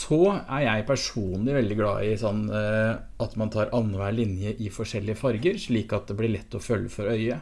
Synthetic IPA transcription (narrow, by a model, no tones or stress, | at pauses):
sɔæɾjæɪpʰæʂuːnlɪʋɛld̪ɪɡlɑ̰ːɪsɔnː | ɑt̪mɑnt̪ʰɑːɾʔɑnːəʋæːɭɪnjəʔɪfɔʂɛlːɪəfɑɾɡəɾʂɭiːkɑt̪̚d̪ɛblɪɭɛt̪ːɔfœlːəfɔɾœʏə